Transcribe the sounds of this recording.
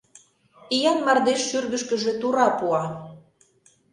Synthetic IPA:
ijɑnmɑrd̪eʃːyrɣə̆ʃkə̆ʒĕt̪uɾɑpuɑ

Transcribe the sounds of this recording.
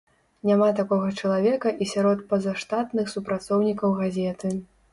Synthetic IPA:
nʲamat̪akɔɣɐt͡ʂɐlˠavʲɛkɐʔisʲaɾɔt̪̚pɐzaʂt̪at̪nɨxsupɾat̪sɔwnʲikɐwɣazʲɛt̪ɨ

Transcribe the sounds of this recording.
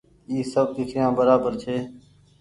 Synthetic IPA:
iːsəb̚d̪ɪkʰɾɪjãːbəɾaːbəɾt͡ʃʰeː

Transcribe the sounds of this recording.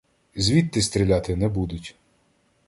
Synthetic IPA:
zʲʋʲit̪ːɪst̪ɾʲilʲat̪ɪnɛbud̪ʊtʲ

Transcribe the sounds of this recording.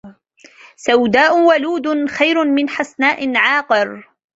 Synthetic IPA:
sawd̪aːʔʊwaluːd̪ʊxajɾʊmɪnħasnaːʔɪnʕaːqɨɾ

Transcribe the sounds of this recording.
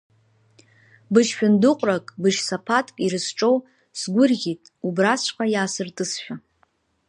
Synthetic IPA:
bɨʃʃᶣʊndɨqʷʼrakʼbɨʃsapʰatʰʼkʼiɾɨsʈ͡ʂʼow | sɡʷʊrɣʲitʼubrasʃʷqʼajaːsɨrtʼɨsʃᶣa

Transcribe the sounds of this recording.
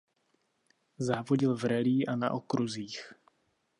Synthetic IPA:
zaːvoɟɪlvɾɛliːʔana̰ʔokɾuziːx

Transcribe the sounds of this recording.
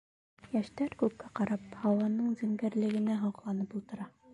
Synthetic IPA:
jæʃt̪æɾkʉp̚kːæqɑɾɑphɑwɑnɤɴzɘ̆ŋɡæɾlɘ̆ɡɘ̆næɦɑqlˠɑnɤpulˠt̪ɤ̆ɾɑ

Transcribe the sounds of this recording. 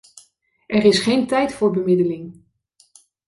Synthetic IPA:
ʔɛɾɪsχejntɛjtfʊːɹbəmɪdəlɪŋ

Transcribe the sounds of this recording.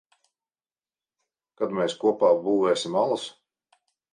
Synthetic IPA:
kad̪meːskuɔpaːbuːveːsʲimalˠas

